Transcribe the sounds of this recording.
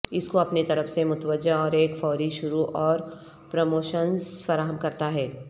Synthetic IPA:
ɪskoɐpnet̪ɐɾəfsemʊt̪ʋəd͡ʒaɔːɾeːkfɔːɾiʃʊɾuʔɔːɾ | pɾomoːʃənzfɐɾaːɦəmkɐɾt̪aɦɛː

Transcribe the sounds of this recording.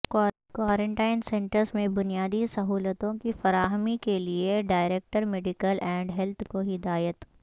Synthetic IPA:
kwaːɾẽɳʈaːɪnsɛ̃ɳʈəɾsmẽbʊnijaːd̪isɐɦuːlət̪õkifɐɾaːɦəmikelieɖaːɪɾeːk̚ʈəɾmeːɖɪkəlʔɛ̃ːɳɖɦɛlt̪ʰkoɦɪd̪aːjət̪

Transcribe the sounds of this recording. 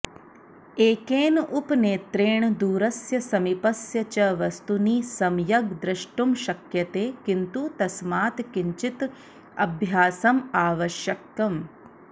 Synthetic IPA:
eːkeːnʔupneːt̪ɾeːɳd̪uːɾɐsjɐsɐmipɐsjɐt͡ʃɐʋɐst̪uniːsɐmjɐɡ̚d̪ɾɐʂʈumʃɐkjɐt̪eːkint̪ut̪ɐsmaːt̪kiɲt͡ʃit̪ | ɐbʱjaːsɐmaːʋɐʃjɐkːɐm

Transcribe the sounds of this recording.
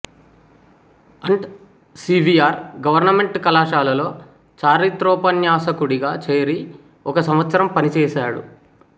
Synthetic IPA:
ɐɳɖ | siːbʱiaːɾɡɐʋɐɾnɐme̞ɳʈkɐlaːʂaːlɐlo̞ː | t͡ʃaːɾit̪ɾɔːpɐnjaːsɐkuɽiɡaːt͡ʃe̞ːɾi | ɔkɐsɐmʋɐt̪sɐɾɐmpɐnit͡ʃɛːʃaːɽṵ

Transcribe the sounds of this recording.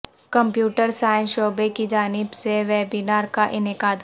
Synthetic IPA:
kɐ̃mpjuːʈəɾsaːɪ̃nʃoːbekid͡ʒaːnɪbseʋeːbinaːɾkaʔɪnɪkaːd̪

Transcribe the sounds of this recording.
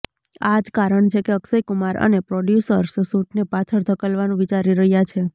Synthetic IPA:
ad͡ʒkaɾəɳt͡ʃʰekeəksəjkumaɾʔə̰nepɾoɖjusəɾssuʈnepat͡ʃʰəɾd̪ʱəkəlʋanũʋit͡ʃaɾiɾəɦjat͡ʃʰe

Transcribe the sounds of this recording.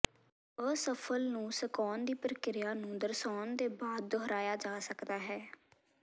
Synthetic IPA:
əsəpʰəlnũːsəkɔːnd̪iːpəɾəkɪɾjaːnũːd̪əɾsɔːnd̪eːbaːd̪oɦəɾaːjaːd͡ʒaːsəkd̪aːɦɛː

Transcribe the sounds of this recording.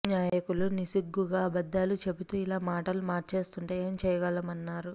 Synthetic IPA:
njaːjɐkulunisiɡːuɡaːbɐd̪ːaːlut͡ʃe̞but̪uːilaːmaːʈɐlumaːɾt͡ʃe̞ːst̪uɳʈeːeːmt͡ʃɛːjɐɡɐlɐmɐnːaːɾu

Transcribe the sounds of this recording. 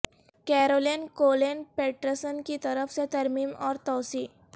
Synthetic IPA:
kɛɾoːliːnkoːleːnpeːʈɾəsənkit̪ɐɾəfset̪ɐɾmiːmɔːɾt̪ɔːsiː

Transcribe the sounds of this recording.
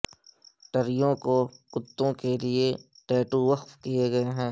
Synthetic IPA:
ʈɐɾɪjõkokʊt̪ːõkelie | ʈeːʈuʋɐxfkijeɡɐeɦɛ̃ː

